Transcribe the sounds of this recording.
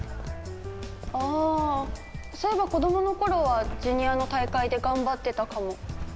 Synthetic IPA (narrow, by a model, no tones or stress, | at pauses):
aː | t̪ḁsoebako̞d̪o̞mo̞no̞ko̞ɾo̞βaʑɯɲ̟iano̞t̪aikaid̪e̞ɡãmbat̪ːe̞t̪akamo̞